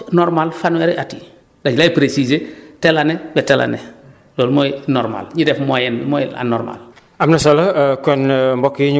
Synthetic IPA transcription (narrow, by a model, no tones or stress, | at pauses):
noɾmalfanweɾeʔati | daɟilajipɾesizetelanebetela̰ne | loːlmojnɔɾma̰lɲidefmojenmoja̰no̰ɾma̰l | amnasolakonmbokiɲ